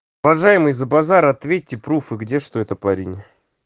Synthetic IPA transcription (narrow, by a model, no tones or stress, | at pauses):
ʊvɐʐajɪmɨjzəbazaɾɐt̪vʲet̚ʲːɪpɾufɨɡdʲeʂt̪oɛt̪əpaɾʲinʲ